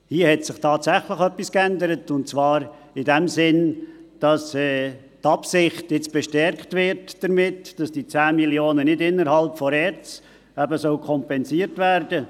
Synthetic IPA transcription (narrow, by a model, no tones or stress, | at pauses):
hiəhɛtsɪχtʰɑːtsæχləχœpːiskændəɾətʊntt͡sʋɑːɾ | ɪdɛmsɪnd̥ɑsɛː | tɑpsɪχtɪt͡sb̥ɛʃtɛɾkχtʋɪɾtd̥əɾmɪtd̥ɑsd̥it͡sæːmiljoːnənɪdɪnːəɾhɑlpfɔɾɛt͡s | æbəsœʊkʰɔmpɛnsiəɾtvæːrdə